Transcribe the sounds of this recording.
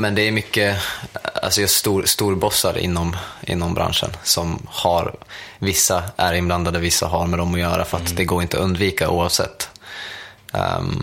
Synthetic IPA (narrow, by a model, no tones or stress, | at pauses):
mɛnd̪ɛæɾmʏkːə | a̰lsɔjɑʂt̪uːɾst̪uːɾbɔsːaɾɪ̰nːɔmʔɪ̰nːɔmbɾa̰nʂə̰nsɔmhaɾvɪsːaʔæɾɪnbland̪ad̪əvɪsːa̰ɦaɾmɛd̪ɔmɔjœːɾafœɾat̪d̪ɛɡoːɾɪnt̪ɔɵnd̪viːkaʔṵːavsɛ̰t̪ː